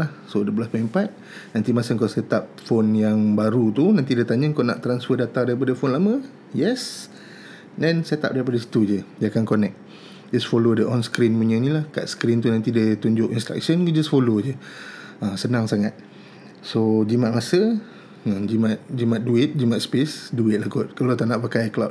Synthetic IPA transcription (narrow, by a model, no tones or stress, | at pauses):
lahsodəblaspəɛmpat̪̚ | nãnt̪imasəŋkasɛt̪ap̚fonjaŋbaɾut̪unãnt̪idət̪aɲəŋkona̰ʔt̪ɾansfədat̪aŋdaɾip̬adəfonlamə̃ | jɛs | dɛnsɛt̪a̰p̚daɾipadəsi̥t̪ud͡ʒəd͡ʒakankonɛk̚ | d͡ʒasfolodəʔɔnskɾinmuɲənĩlahka̰ʔskɾint̪unant̪idət̪uɲd͡ʒʊʔinst̪ɾa̰k̚ʃənd͡ʒasfolod͡ʒə | asənãŋsaŋat̪̚ | sod͡ʒimaʔ̪̚masə | ãd͡ʒimat̪̚d͡ʒimat̪̚duɪt̪̚d͡ʒimãt̪̚spɪsduɪt̪̚lahkɔʔ̪̚kalot̪anaʔpakajklat